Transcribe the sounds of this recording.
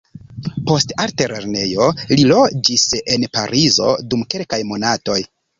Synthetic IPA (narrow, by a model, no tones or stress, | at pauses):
po̞stalteɾeɾne̞jo̞lilo̞d͡ʒise̞npa̰ɾʔizo̞̰dumke̞lkajmo̞nato̞j